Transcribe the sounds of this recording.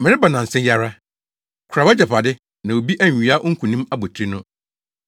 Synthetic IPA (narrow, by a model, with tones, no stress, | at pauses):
mɪ̃˨ɾɪ˦ba˨nã˨n̩˨sɛ̃˦ja˦ɾa˦ | kʰɾa˨a˦d͡ʑɛ˨pʰa˨dɪ˦ | nã˨o˨bi˦ʔæ˦ɲ˨a˦ʔo˦ŋ̩˦kʰũ˨nĩ˦ma˦bo˨tʰɾi˦nʊ̃˦